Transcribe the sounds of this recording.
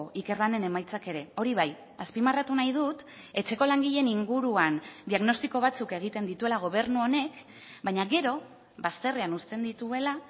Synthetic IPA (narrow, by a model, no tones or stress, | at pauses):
ʔike̞ɾlane̞ne̞majt͡sake̞ɾe̞o̞ɾiβaj | aspimarat̪unajð̞ut̪ | e̞t͡ʃe̞ko̞laŋɡiʎe̞niŋɡuɾuand̪iaɣno̞st̪iko̞β̞at͡suke̞ɣ̞it̪e̞nd̪it̪ue̞laɣ̞o̞β̞e̞ɾnuo̞ne̞k | baɲaɣe̞ɾo̞ | βast̪e̞reanust̪e̞nd̪it̪ue̞la